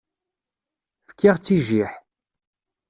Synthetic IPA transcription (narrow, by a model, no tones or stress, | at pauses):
fə̥kːiʁt͡sːiʒiħ